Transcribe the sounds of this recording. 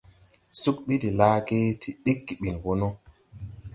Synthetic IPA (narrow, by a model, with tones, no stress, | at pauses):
su˦kɓi˦di˨laː˦ɡe˦tʰi˨ɗi˦kːi˨ɓi˨nwɔ˦nɔ˦